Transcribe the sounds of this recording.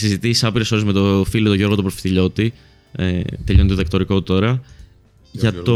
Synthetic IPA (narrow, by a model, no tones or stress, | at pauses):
sizit̪isisɐpiɾeso̞ɾizmet̪ofilot̪oʝo̞ɾɣoopɾofi̥θiʎo̞t̪i | ḛt̪eʎo̞noðɐk̚t̪oɾikot̪o̞ɾɐ | ʝɐt̪o